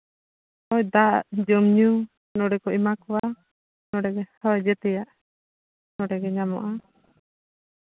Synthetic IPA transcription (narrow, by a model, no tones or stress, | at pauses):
hɔjd̪aʔd͡ʒɔmɲu | nɔɖɛkɔimakɔwa | nɔɖɛɡɛhɔd͡ʒɛt̪ɛjaʔ | nɔɖɛɡɛɲamɔ̰ʔa